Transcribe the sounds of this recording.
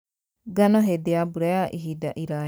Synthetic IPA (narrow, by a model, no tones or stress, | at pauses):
ɡanaɦed̪eabuɾajaʔiɦid̪aʔiɾa